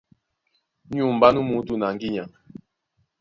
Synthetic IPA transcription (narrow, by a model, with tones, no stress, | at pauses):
ɲ˦u˦˨m̩˨ba˦nu˦mu˨˦tu˦na˨ŋɡi˦ɲa˨ŋ